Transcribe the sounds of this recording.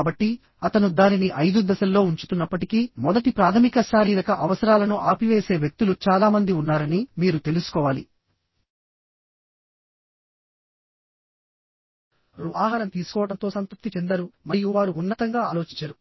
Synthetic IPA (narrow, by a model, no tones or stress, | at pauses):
bɐʈːi | ɐt̪ɐnud̪aːniniʔɐjd̪ud̪ɐsɐlːo̞ːuɲt͡ʃu̥t̪unːɐpːɐʈikimɔd̪ɐʈipɾaːt̪ʰɐmikɐsaːɾiːd̪ɐkɐʔɐʋɐsɐɾaːlɐnuʔaːpiʋeːse̞ːʋjek̚t̪ulut͡ʃaːlaːmɐnd̪iunːaːɾɐnimiːɾut̪e̞lusu̥kɔːʋaːli | ɾuaːɦaːɾɐnt̪iːsu̥kɔːʋɐɽʈɐnt̪o̞ːsɐnt̪up̚t̪it͡ʃɛnd̪ɐɾumɐɾijuʋaːɾuːnːɐt̪ɐŋɡaːaːlo̞ːt͡ʃiɲt͡ʃːɐɾu